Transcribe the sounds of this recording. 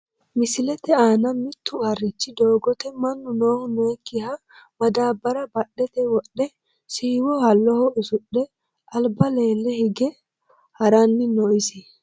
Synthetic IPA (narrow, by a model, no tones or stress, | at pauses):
mɪsɪlɛt̪ɛaːnɐmɪt̪ːʊɐrːɪt͡ʃːɪd̪oːɡɔt̪ɛmɐnːʊnoːhʊnʊɛkːɪhɐ | mɐd̪aːbɐɾɐbɐɗːɛt̪ɛwɔɗːɛ | siːwɔhɐlːɔhɔʊsʊɗːɛ | ʔɐlbɐle̞ːlːɛhɪɡɛ | hɐɾɐnːɪnɔʔɪsɪ